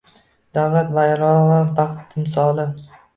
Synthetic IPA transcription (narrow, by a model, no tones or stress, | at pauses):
d̪̥awlat̪vajɾɒʁabɑχt̪ɪmsɒlˠɪ